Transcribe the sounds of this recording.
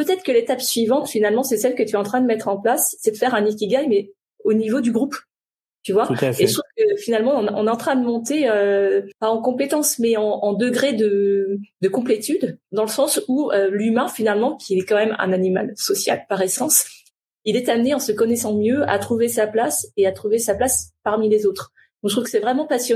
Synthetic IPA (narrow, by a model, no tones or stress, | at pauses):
pøt̪ɛt̪χə̥kəlet̪apsɥivɑ̃t̪finalmɑ̃sɛsɛlkət̪yɛɑ̃t̪χɛ̃d̪əmɛt̪χɑ̃plasːɛd̪əfɛʁɛ̃nik̬ʲiɡajmɛ | onivod̪yɡʁup | t̪yvwaet̪uvkəfinalmɑ̃ɔ̃nɔ̰̃neɑ̃t̪χɛ̃d̪əmɔ̃t̪eøpaɑ̃kɔ̃pet̪ɑ̃smɛɑ̃ːd̪əɡʁed̪əd̪əkɔ̃plet̪yd̪d̪ɑ̃ləsɑ̃suølymɛ̃finalmɑ̃kʲʰiɛkɑ̃mɛmɛ̰̃nanima̰lsɔsja̰lpaʁɛsɑ̃s | ilɛt̪amneɑ̃səkɔnɛsɑ̃mjøa̰t̪χuvesaplaseat̪χuvesaplaspaʁmilezot̪χ | d̪ɔ̃ʒət̪χufkə̥sɛvʁɛmɑ̃pasjɔ